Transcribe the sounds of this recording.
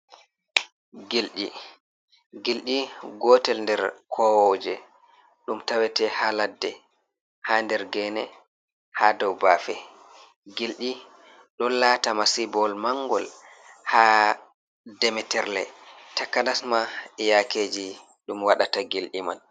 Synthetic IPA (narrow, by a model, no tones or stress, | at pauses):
ɡilɗi | ɡilɗiɡɔtɛlndɛɾkʰɔwɔd͡ʒɛ | ɗumtawɛtɛhaladːɛ | handɛɾɡɛnɛ | hadɔwbafɛ | ɡilɗi | ɗɔnlaːtamasibɔlmaŋɡɔl | ha | dɛmɛtɛɾlɛ̰takːanasmaɛjakeːd͡ʒi | ɗumwaɗataɡilɗiman